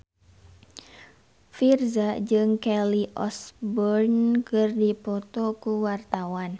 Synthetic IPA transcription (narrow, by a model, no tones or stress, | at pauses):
firzad͡ʒɨŋkɛliʔɔsbɔrnkɨrdipɔt̪ɔkuwart̪awan